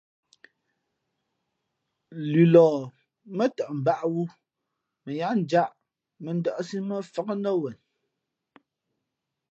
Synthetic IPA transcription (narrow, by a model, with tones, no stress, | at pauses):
lʉ˨lɔː˨ | mə˦tə˨ʔm̩˨ba˦ʔwu˦ | mə˨ja˦n̩˨d͡ʒa˦ʔ | mə˨n˦də˦ʔsi˦mə˦fə˦kə˦nə˦wɛ˨n